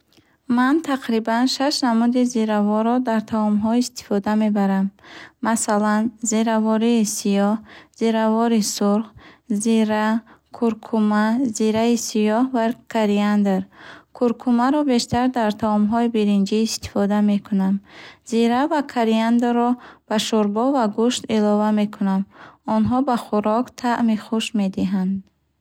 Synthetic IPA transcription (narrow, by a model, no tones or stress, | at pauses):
mant̪ʰaqɾibanʃaʃnamud̪iziɾavɔɾɔd̪aɾt̪ʰaɔmɦɔiist̪i̥fɔd̪amebaɾamːasalanziɾavɔɾiːsijɔhz̥iɾavɔɾisuɾχziɾakʰuɾkʰumaziɾaisijɔhvakʰaɾiand̪eɾkʰuɾkʰumaɾɔbe̞ʃt̪aɾd̪aɾt̪ʰaɔmɦɔibiɾind͡ʒiːst̪i̥fɔd̪ame̞kʰunamziɾavakʰaɾiand̪ɾɔb̥aʃuɾbɔvaɡuʃt̪ilɔvame̞kʰunamɔnɦɔbaχuɾɔkt̪ʰaʔmiχuʃmed̪iɦand̪